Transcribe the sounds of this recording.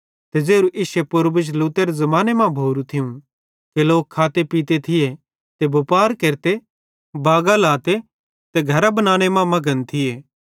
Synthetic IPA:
t̪ed͡ʒeːɾuʔɪːsepʊɾbət͡ʃluːt̪eɾezɐmaːnemãbʱoːɾut̪ʰɪũ | keloːkʰːaːt̪epiːt̪et̪ʰɪje | t̪ebʱʊpaːɾkeːɾt̪e | baːɡalaːt̪e | t̪ɛɡʱɐɾabɐnaːɽ̃emãmɐɡənt̪ʰɪjeː

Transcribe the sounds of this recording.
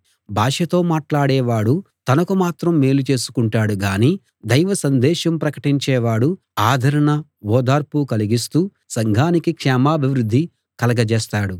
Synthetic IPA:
bʱaːʂɐt̪o̞ːmaːʈlaːɽɛːʋaːɽut̪ɐnɐkumaːt̪ɾɐmːe̞ːlut͡ʃe̞ːsu̥kuɳʈaːɽuɡaːniː | d̪ɐjʋɐsɐnd̪ɛːʃɐmpɾɐkɐʈiɲt͡ʃɛːʋaːɽu | aːd̪ʱɐɾɐɳɐɔːd̪aːɾpukɐliɡist̪uː | sɐŋɡʱaːnikikʂɛːmaːbʱiʋɾud̪ʱːi | kɐlɐɡɐt͡ʃɛːst̪aːɽu

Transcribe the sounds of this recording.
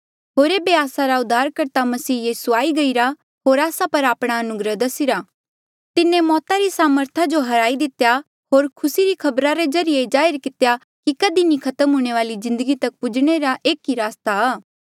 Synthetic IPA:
ɦoːɾeːbeaːsaɾaʊd̪ʱːaːɾkɐɾt̪amɐsiːjiːsuaːiɡɐiɾa | ɦoːɾaːsapɐɾaːpɽ̃aɐnʊɡɾəd̪ɐsiɾaː | t̪ɪnẽmɔːt̪aɾisaːməɾt̪ʰad͡ʒoɦɐɾaːid̪ɪt̪eja | ɦoːɾkʰʊsiɾikʰɐbɾaɾed͡ʒɐɾɪjed͡ʒaːɪɾkɪt̪ja | kikɐd̪inĩkʰɐt̪əmɦuːɽ̃eʋaːlizɪ̃nd̪əɡit̪ɐk̚pʊd͡ʒɽ̃eɾaʔeːkiɾaːst̪aaː

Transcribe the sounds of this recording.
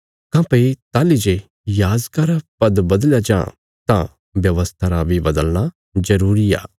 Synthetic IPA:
kãpɐit̪aːlid͡ʒe | jaːzkaɾapɐd̪bɐd̪ljad͡ʒã̰ː | t̪ã̰ | bjɐʋəst̪ʰaɾabʱibɐd̪əlna | zɐɾuːɾia̰ː

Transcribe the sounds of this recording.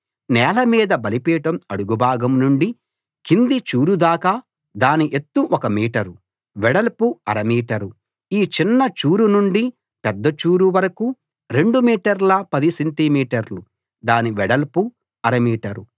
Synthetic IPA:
nɛːlɐmiːd̪ɐbɐlipɛːʈɐmɐɽuɡubʱaːɡɐmnuɳɖi | kind̪it͡ʃuːɾud̪aːkɐ | d̪aːniʔet̪ːuʔɔkɐmiːʈɐɾu | ʋɛɽɐlpuɐɾɐmiːʈɐɾu | iːt͡ʃinːɐt͡ʃuːɾunuɳɖi | pɛd̪ːɐt͡ʃuːɾuʋɐɾɐku | ɾe̞ɳɖumiːʈɐɾlɐpɐd̪isenʈimiːʈɐɾlu | d̪aːniʋɛɽɐlpu | ɐɾɐmiːʈɐɾu

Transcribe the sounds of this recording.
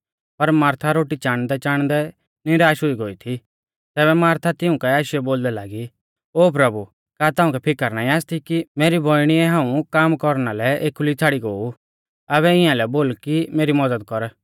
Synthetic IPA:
pɐɾmaːɾt̪ʰaɾoːʈit͡ʃaːɽ̃d̪ɛt͡ʃaːɽ̃d̪ɛ | nɪɾaːʃɦʊiɡoːit̪ʰi | t̪ɛːβɛmaːɾt̪ʰat̪ɪʊ̃kɛaːʃɪɛboːld̪ɛlaːɡi | oːp̬ɾɐbu | kaːt̪aːʊ̃kɛpʰɪkːəɾnaːĩaːst̪ʰikimeːɾibʱoːiɽ̃iɛɦãːũkaːmkɔɾnalɛeːkʊlit͡sʰaːɽiɡoːu | ɐβɛɪ̃jãlɛboːlkimeːɾimɐdəd̪̚kɔɾ

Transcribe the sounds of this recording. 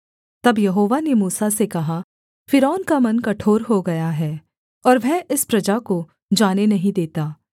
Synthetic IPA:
t̪ɐbjɐɦoːʋanemuːsasekɐɦa | fɪɾɔːnkamɐnkɐʈʰoːɾɦoɡɐjaɦɛː | ɔːɾʋɛʔɪspɾɐd͡ʒako | d͡ʒaːnenɐɦĩd̪eːt̪aː

